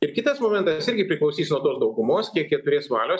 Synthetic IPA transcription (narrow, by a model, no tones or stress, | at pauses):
ɪɾkʲɪt̪ɐsmoːmʲɛnt̪ɐsɪɾʲɡʲɪpʲɾʲɪklˠɔʊsʲiːsnuɔd̪oːsd̪ɐʊɡʊmoːskʲiɛkjɛt̪ʊɾʲeːsʋɑːlʲoːs